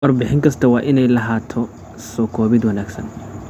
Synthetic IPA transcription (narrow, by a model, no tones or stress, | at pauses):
wɐrbɪħɪŋkʰɐst̪ʰɐwɑːʔɪnɛjlɐɦaːt̪ʰɔ | sɔːkʰɔːβɪd̪wɐnaːɡsɐ̰n